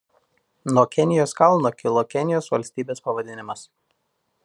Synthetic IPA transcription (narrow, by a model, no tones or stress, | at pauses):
nuɔkʲɛnʲɪjoːskɐlˠnoːkʲɪlˠokʲɛnʲɪjoːsʋɐlʲsʲt̪ʲiːbʲeːspɐʋɐd̪ʲɪnʲɪmɐs